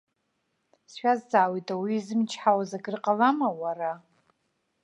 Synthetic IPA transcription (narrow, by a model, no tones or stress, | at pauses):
sʃʷᶣazzaːwitʼawiːzɨmt͡ʃʰħawazaɡɨrqʼalamawara